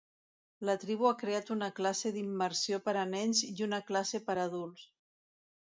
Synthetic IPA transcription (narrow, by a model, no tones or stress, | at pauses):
lət̪ɾiβ̞uakɾeat̪unəklaseðimːəɾsiopəɾənɛnziunəklasepəɾːðulˠs